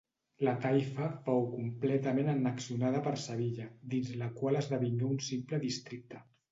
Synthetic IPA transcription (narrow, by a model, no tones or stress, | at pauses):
lət̪ajfəfowkumplɛt̪əmenənəksunaðəpəɾsəβ̞iʎəd̪inzləkwaləzðəβiɲuunsimpləðist̪ɾik̚t̪ə